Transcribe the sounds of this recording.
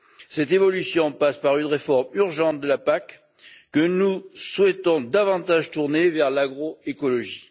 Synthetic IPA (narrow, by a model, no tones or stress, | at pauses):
sɛt̪evɔlysjɔ̃paspaʁynʁefɔʁmyʁʒɑ̃t̪̚d̪əlapakː | ənuswɛt̪ɔ̃d̪avɑ̃t̪aʒt̪uʁnevɛʁlaɡʁoekɔlɔʒi